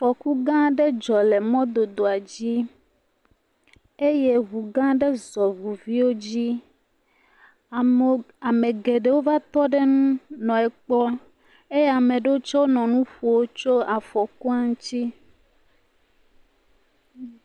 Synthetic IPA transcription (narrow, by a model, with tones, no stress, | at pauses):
fɔ˨ku˦ɡã˦ɖe˦d͡ʒɔ˨le˨mɔ̃˦d̪o˨d̪o˨a˨d͡ʑi˦ | e˦je˦ɦu˨ɡã˦ɖe˦zɔ˨vu˨vi˦wo˦d͡ʑi˦˨ | a˨mẽ˨ɡe˨ɖe˨wo˦va˦t̪ɔ˦ɖe˦nũ˦nɔ̃˨e˨k͡plɔ˦ | e˦je˦a˨mẽ˨ɖe˦wo˦t͡ʃɔ˦wo˦nɔ̃˨nũ˦ɸu˨wo˦t͡ʃo˦a˨fɔ˨ku˦a˦ŋũ˦t͡ɕi˦